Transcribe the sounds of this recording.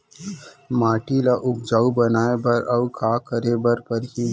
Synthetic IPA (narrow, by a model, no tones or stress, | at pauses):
maːʈilaʔʊp̚d͡ʒaːubɐnaːebɐɾʔɐukaːkəɾebɐɾpɐɾɦi